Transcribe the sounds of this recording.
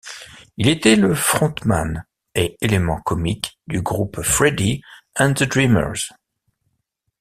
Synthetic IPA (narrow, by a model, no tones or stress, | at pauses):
ilet̪ɛləfχɔ̃t̪ma̰n | eelemɑ̃kɔmikd̪yɡʁupfχɛd̪iɛ̃d̪əd̪ʁimə̰ʁz̥